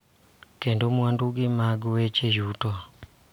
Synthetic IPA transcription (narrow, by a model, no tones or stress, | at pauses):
kɛndomuwanduɡimaɡuwɛt͡ʃeʒutɔ